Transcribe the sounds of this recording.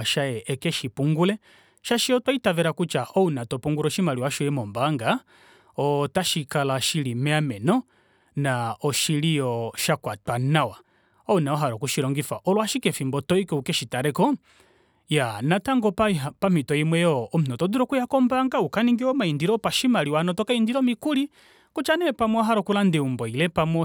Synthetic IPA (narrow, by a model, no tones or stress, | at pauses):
aʃajɛʔɛkɛʃipuŋɡulɛ | ʃaʃiɔtwaitavɛɾakut͡ʃaɔunatɔpuŋɡuɾɔʃimaliwaʃɔɛmɔmbaŋɡa | ɔtaʃikalaʃilimɛamɛnɔ | naɔʃilijɔʃakwatwanawa | ɔnaɔɦaɾɔkuʃiɾɔŋɡifaʔɔlɔwaʃikɛfimbɔtɔikɛukɛʃitaɾɛkɔ | janataŋɡɔpapam̥itɔimwɛjɔːm̩nɔtɔduɾɔkujakɔmbaŋɡaukaniŋɡiɔmaindiɾɔpaʃimaɾiwanɔtɔkaindiɾɔmikuɾi | kut͡ʃanɛpamɔɔɦaɾɔkulandɛumbɔilɛpamɔ